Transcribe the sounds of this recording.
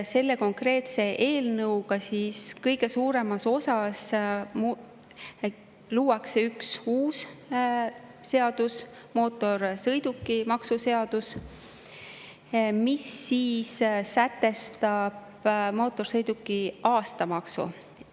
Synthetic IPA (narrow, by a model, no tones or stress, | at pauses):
se̞lːe̞ko̞ŋkre̞ːt̪se̞ʔe̞ːlnɤwɡɑsiːskɤjɡe̞suːɾe̞mɑso̞sɑsm | luːɑkseyksuːs | e̞ɑd̪̥us | mo̞ːt̪ːˑo̞ɾsɤjd̪̥ukːimɑksuse̞ɑd̪̥us | misːiːssæt̪ːe̞st̪ɑb̥mo̞ːt̪ːˑo̞rsɤjd̪ukːˑiʔɑːst̪ɑmɑksṵ